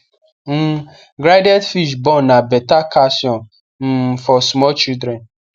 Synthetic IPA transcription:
m̩ | ɡɾajdɛdfiʃbɔ̃nabɛtakasjɔn | m̩fɔsmɔt͡ʃidɾɛn

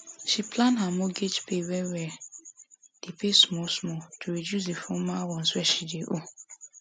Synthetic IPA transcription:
ʃipʰlãnɦamɔɡed͡ʒpewɛwɛ | d̥epesmɔsmɔtʰuɾedjus̬defɔmawɔ̃n̩swɛʃideʔo

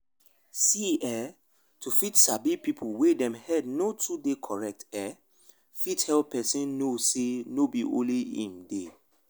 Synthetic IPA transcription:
siɛ | tʰufitsabipipʰuwedɛ̃mhɛdnotʰudekʰɔɹɛk̚tɛ | fithɛlppɛsĩnːosenobiʔõ̰nliḭ̃mde

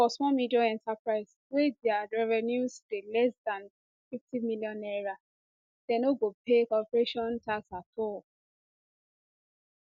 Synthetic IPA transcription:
fɔsmɔlmidiaɛ̃ntapɹaɪs | wedɛaɹɛvɛnjusdelɛsdãn | fiftimiljɔ̃nɛɹa | dɛ̃noɡopekɔpɹeʃɔ̃ntʰaksatɔl

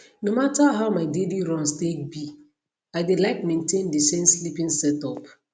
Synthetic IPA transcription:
nomataɦaʊmaɪdediɾɔ̃nstek̚bi | aɪdelaɪkmẽntẽndisẽmslipĩŋsɛtɔp

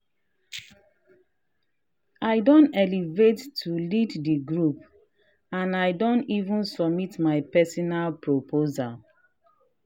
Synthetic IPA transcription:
aɪdɔ̃ntɛlivetːuliddiɡɹup | ãnaɪdɔ̃ntivũnsɔmitmaɪpɛsɔnalpɹopʰozal

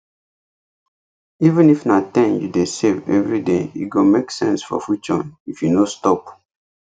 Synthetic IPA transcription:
ivə̃nifnatɛ̃njṵdesevɛ̰vɹidejṵɡomeksɛ̰̃nsfɔ̰fut͡ʃɔ̰̃nifjunostɔp

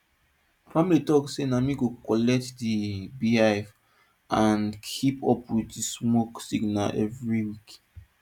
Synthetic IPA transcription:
familitɔkssenamiɡokɔlɛk̚tdibiaf | ʔãnkʰipɔpwitdismoksiɡnaʔɛvɹiwik

